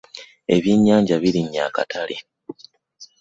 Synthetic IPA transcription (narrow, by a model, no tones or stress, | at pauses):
e̞βjiɲːaːɲɟaβiɾiɲːakatʰalḛ